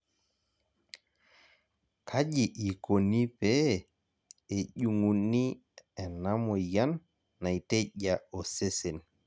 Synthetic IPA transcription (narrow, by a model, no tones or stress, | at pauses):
kʰaʄiʔikonipɛ | eʄuŋunːi | ɛnamɔjanː | ajtɛʄaɔsesɛn